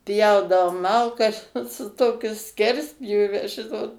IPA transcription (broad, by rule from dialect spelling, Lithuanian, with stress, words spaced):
ˈpʲjɛʊdɐʋoːm ˈmɐlˠkɐs ˈoːt sʊ ˈtoːkʲʊ ˈsʲkʲɛrʲsʲpʲjuːʋʲɛ ˈʒʲɪnoːt